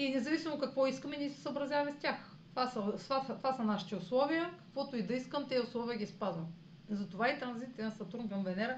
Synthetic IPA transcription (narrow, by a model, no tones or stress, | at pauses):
inɛzɐvisimokɐkvɔiskəmɛniɛsɛ̥səobɾɐzʲavɐmɛst̪ʲax | t̪ovasɐsvat̪ovasɐnaʃi̥t̪iʊslˠɔvijəkɐ̥kvɔt̪ʊid̪ɐiskəmt̪ɛʊslˠɔvijəɡʲispazvɐm | zɐt̪ovait̪ɾɐnzit̪nəsɐt̪ɾumvɐmvɛnɛɾɐ